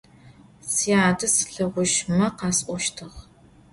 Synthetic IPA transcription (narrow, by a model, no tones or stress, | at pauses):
siːaːdɨsɬɐʁʷʊʃmɐqɑːsʔʷɔʃtʰɨʁ